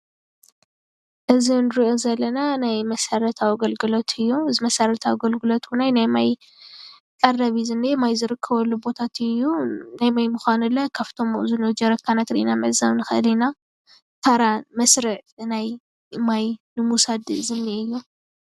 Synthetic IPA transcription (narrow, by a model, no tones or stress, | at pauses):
ʔɨzinɨɾiʔo̞zɐlːɐnanajmɐsɐɾɐt̪ʰawɡɐlɡɨlot̪ʰɨjːuɨzimɐsɐɾɐt̪ʰawɡɐlɡɨlot̪wunajnajmaj | kʼɐrɐβizɨnːemajzɨɾɨkʰːɐβɐlːubo̞t̪ʰat̪ʰɨjːunajmajmuxʷanɨlːɐkʰaft̪ʰo̞mʔɨzunod͡ʒɐɾɐkʰːanat̪ɾḭʔinamɨʕzaβnɨxɨʔɨlina | t̪ʰaɾamɐsɾɨʕnaj | majnɨmusad̪zɨmniɨjːu